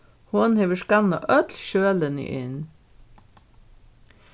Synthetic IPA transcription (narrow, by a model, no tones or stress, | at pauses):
hʊnheʋəʂkɑnɑ̰ʔœt̪ʰlʃøːlənḭʔɪ̰n